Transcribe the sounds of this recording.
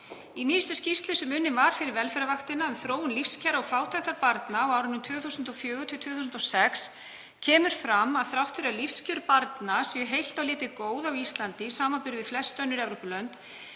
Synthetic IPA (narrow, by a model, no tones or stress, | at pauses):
iniːst̪ʏscist̪lɪsɛmʏnːɪmvaɾ̥fɪɾɪɾvɛlfɛɾavaxt̪ɪnaʏmθɾoːwʏnlifscʰɛɾaɔfaːwt̪ʰajht̪aɾpaɾt̪naːwawɾʏnʏmt̪ʰv̥œːθuːsʏnt̪ɔfjœːɣʏt̪ʰɪt̪ʰvœːθus̬ʏnt̪ɔsɛks | cʰɛːmʏɾ̥fɾamːaðθɾawht̪fɪɾalifscʏɾpaɾt̪nasjɛœɦejl̥t̪awlɪːt̪ɪkoːwðawist̪lant̪isaːmapʏɾðɪflɛsːt̪œnːʏɾɛvɾowpʏlœnt̪